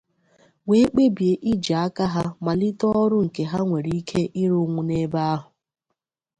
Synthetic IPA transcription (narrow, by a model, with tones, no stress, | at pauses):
we˦k͡pe˦bje˨ʔi˦d͡ʒa˨a˦ka˦ɦa˦ma˨lɪ˦tɔ˦ɔ˦ɾʊ˦ŋ̩˨ke˨ɦa˦ŋʷe˨ɾi˨˦i˦kʰe˦ʔi˦ɾo˦˨ŋʷu˦ne˦ba˦a˦ɦʊ˨